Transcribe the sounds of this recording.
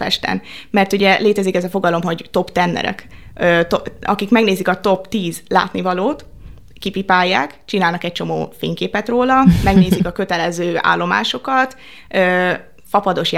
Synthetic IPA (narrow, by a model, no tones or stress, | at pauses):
fɛ̰ʃt̪ɛ̰nmɛrt̪uɟɛleːt̪ɛzikɛzɒfo̞ɡɒlo̞mɦo̞ɟt̪o̞pt̪ɛnːɛ̰ɾɛ̰køt̪oɒ̰kikmɛɡneːzikɒt̪o̞pt̪iːzla̰ːt̪nivɒloːt̪ | kipipaːjːaːkt͡ʃinaːlnɒkɛc̚t͡ʃo̞mo̰ːfḛːŋkeːpɛt̪roːlɒmɛɡneːzikɒkø̞t̪ɛlɛzøːa̰ːlːo̞ma̰ːʃo̞kɒt̪ | øː | fɒpɒd̪o̞ʃj